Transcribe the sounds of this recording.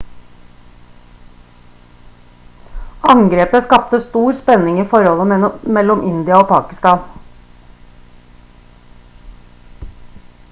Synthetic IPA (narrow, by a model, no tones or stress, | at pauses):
ɑŋɡɾeːpəskɑp̚t̪əst̪uːɾspɛnɪŋiːfɔɾhɔləmɛlɔmʔɪnd̪ɪɑoːpʰɑːkɪst̪ɑːn